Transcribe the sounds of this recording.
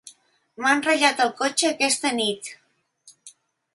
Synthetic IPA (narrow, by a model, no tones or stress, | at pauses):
manreʎat̪okot͡ʃekest̪enit̪